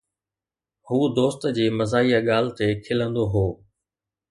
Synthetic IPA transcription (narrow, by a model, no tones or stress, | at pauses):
huːd̪oːst̪d͡ʑeːmɐzaːijaɠaːl̤t̪ekʰɪlə̃nd̪oɦoː